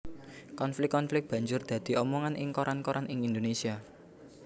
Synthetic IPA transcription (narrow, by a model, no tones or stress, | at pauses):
kɔnflɪkːɔnflɪk̚b̥ä̤ɲd͡ʒʊrd̪̥ä̤d̪̥i̤ɔmɔŋanʔɪ̰ŋkoɾʔankoɾʔanʔɪŋind̪onesia